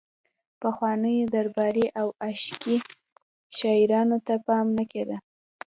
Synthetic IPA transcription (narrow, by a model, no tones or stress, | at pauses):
pəxwɑnəjod̪aɾbɑɾiʔawaʃki | ʃɑiɾɑnot̪apɑmnəked̪ə